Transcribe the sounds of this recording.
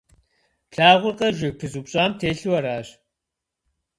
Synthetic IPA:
ɬaːʁʷʊrqʼɐʒɪpʰɨzuːpɕʼaːmtʰeːɬɨwɐɾaːɕ

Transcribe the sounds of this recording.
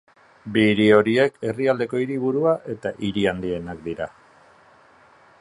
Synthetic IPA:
biɾio̞ɾie̞ke̞riald̪e̞ko̞iɾiβ̞uɾuaʔe̞t̪aʔiɾiand̪ie̞nakd̪iɾa

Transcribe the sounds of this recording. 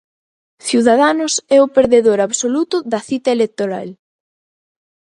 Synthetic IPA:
θjuðaðanʊsɛʊpeɾðeðoɾaβsolut̪ʊðɐθit̪ɐelek̚t̪oɾa̰l

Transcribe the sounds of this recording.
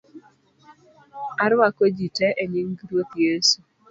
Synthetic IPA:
aɾwakod͡ʒitɛʔeɲiŋɡɾot̪jesu

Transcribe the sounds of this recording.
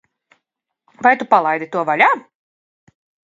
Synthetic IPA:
vajt̪upalˠajd̪it̪uɔvaʎʲaː

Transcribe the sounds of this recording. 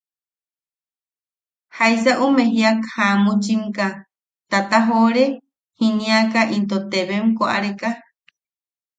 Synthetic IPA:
hajsaʔumẽɦiakhamut͡ʃimka | t̪at̪aɦoɾe | hinĩakaʔint̪ot̪eβemkoʔa̰ɾeka

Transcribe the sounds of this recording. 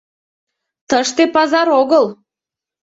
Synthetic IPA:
t̪əʃt̪epɑzɑɾoɣəl

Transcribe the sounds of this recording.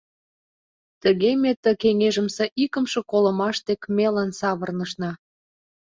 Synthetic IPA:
t̪ə̆ɣemet̪ːə̆keŋeʒə̆mseʔikə̆mʃĕkolə̆mɑʃt̪ekmelɑnsɑβə̆rnə̆ʃnɑ

